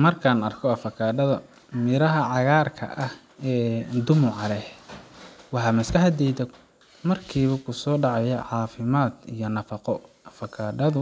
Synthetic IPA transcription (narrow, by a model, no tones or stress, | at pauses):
mɐrkʰaːnɐrkʰɔɐfɐkʰaːɖɐðɐ | mɪɾɐɦɐʕɑɣaːrkʰɐ̰ʔɐh | ɛːd̪ʊmʊʕɑlɛh | wɑħɑːmɐskʰɐhɐd̪ɛjd̪ɐ | mɐrkʰiːβɐkʰʊsɔːɖɑʕɑjɛʕɑːfɪmaːd̪ijɞnɐfɑqɔ | ɐfɐkʰaːɖɐd̪